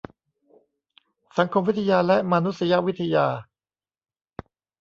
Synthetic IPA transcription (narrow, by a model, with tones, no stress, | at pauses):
sa˩˦ŋkʰo˧mwi˥t̪ʰa˧jaː˧lɛ˦˥ma˧nu˦˥t̪sa˧ja˦˥ʔwi˦˥t̪ʰːa˧jaː˧